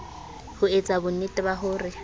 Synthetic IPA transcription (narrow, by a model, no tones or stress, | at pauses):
hʊet͡sʼabʊnɪtʼɪbaɦʊːrɪ